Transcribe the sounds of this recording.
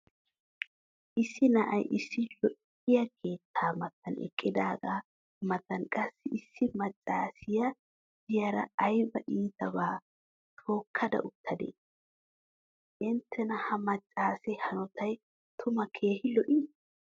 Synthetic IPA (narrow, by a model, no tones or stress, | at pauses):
ʔɪsːɪnɐʔɐjʔɪsːɪlɔʔ | ɪjɐkʰe̞ːt̪ʰːaːmɐt̪ːɐnɛ̰kʼːɪd̪aːɡaː | mɐt̪ɐnkʼɐsːɪɪsːɪmɐt͡ʃʼːaːsɪjɐ | d̪ɪjɐɾɐ̰ːjbɐʔiːt̪ɐβaː | t̪ʰo̞ːkʰːɐd̪ɐ̰ʔʊt̪ʰːɐd̪ḛː | ʔɪnt̪ʰːɛnɐhɐmɐt͡ʃʼːaːsɛhɐnɔt̪ʰɐj | t̪ʰʊmɐkʰe̞ːhɪlɔʔiː